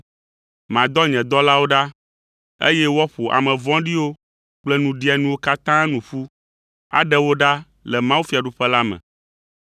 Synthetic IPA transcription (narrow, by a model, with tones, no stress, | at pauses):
mã˨d̪ɔ˦ɲɛ̃˨d̪ɔ˦la˦wo˦ɖa˦ | ḛ˦jɛ˦wɔ˦ɸo˨ʔa̰˨mɛ̃˨vɔ̃˦ɖi˦wo˦ | k͡plɛ˦nũ˨ɖi˦a˨nũ˦wo˦ka˦t̪ã˦nũ˨ɸu˦ | a̰˨ɖɛ˦wo˦ɖa˦ | lɛ˨mã˦wu˦fi˨a˨ɖu˦ɸɛ˦la˦mɛ̰̃˨